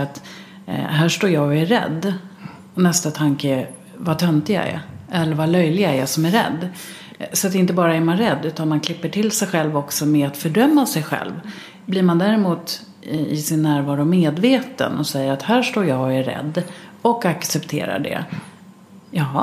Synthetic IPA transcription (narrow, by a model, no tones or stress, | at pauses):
at̪ | ɦæːʂʈoːɾjɑːɡɔæɾːɛ̰d̪ː | ɔnɛst̪at̪ʰaŋkə | vat̪ʰœnt̪ɪɡa̰æ̰ɾɛlːəɾvalœjlɪɡaæɾjɑsɔmæɾɾɛ̰d̪ː | sɔat̪ɪnt̪əbɑːɾaɛɾmanɾɛd̪ːʉ̟ːt̪anmankʰlɪpːəʈʰɪlsɛjɧɛlvɔksɔmɛat̪fœɖœmːasɛjɧɛ̰lv | bliɾmand̪æːɾɛmuːt̪ | ɪsɪnːæːɾvɑːɾʊmeːd̪veːt̪ə̰nɔsɛjːəɾat̪hæːʂʈoːɾjɑːɔæːɛ̰d̪ːɔkaksɛpt̪ʰḛːɾa̰ɖɛ̰ | jɑː